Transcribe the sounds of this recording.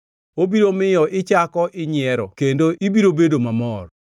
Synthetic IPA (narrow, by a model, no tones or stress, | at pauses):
obiɾomɪjɔʔɪt͡ʃakɔʔɪɲɪɛɾɔkendoʔibiɾobedomamɔr